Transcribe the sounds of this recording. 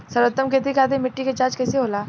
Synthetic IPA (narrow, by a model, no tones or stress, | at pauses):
sɐɾət̪ːəmket̪̬ikʰaːd̪emɪʈːiket͡ʃaːt͡ʃkɛːseɦoːlaː